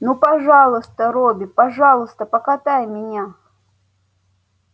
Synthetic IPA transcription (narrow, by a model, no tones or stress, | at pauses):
nupɐʐɑlˠɨst̪əɾobʲɪpɐʐɑlˠɨst̪əpəkat̪ajmʲɪnʲa